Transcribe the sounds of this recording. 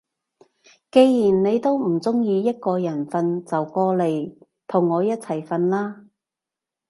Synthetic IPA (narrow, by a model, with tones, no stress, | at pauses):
ke˧jji˨˩nne˨˧jt̪o˥wm̩˨˩t͡sʊ˥ŋjiː˨˧jɐ˥t̚kɔː˧jɐ˨˩nfɐ˧nt͡sɐ˨wkɔː˧le˨j | t̪ʰʊ˨˩ŋːɔː˨˧jɐ˥t̚t͡sʰɐ˨˩jfɐ˧nlaː˥